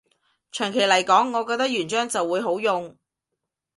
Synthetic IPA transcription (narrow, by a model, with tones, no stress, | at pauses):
t͡ʃʰœː˨˩ŋkʰe˨˩jlɐ˨˩jkɔː˨˥ŋːɔː˨˧kɔ˧k̚t̪ɐ˥k̚jyː˨˩nt͡ʃœː˥ŋt͡sɐ˨wːuː˨˧jɦo˨˥wjʊ˨ŋ